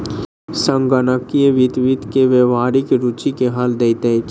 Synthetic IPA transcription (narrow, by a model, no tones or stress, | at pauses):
sə̃ŋɡənəkːijeʋit̪ʋit̪keʋeʋaːɾikeɾut͡ʃikeɦald̪eit̪ẽk